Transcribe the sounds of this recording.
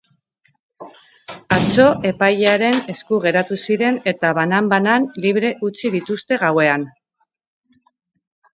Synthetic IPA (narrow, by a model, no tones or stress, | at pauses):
at͡so̞ʔe̞pajeaɾe̞ne̞skuɣe̞ɾat̪usiɾe̞ne̞t̪aβanambananliβ̞ɾe̞ʔut͡siðit̪ust̪e̞ɣawe̞an